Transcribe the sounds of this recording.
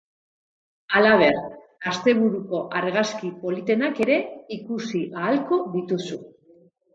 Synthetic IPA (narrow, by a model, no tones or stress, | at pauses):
alaβ̞e̞r | ast̪e̞β̞uɾuko̞ʔaɾɣaskipo̞lit̪e̞nake̞ɾe̞ikusiʔaːlko̞ðit̪usu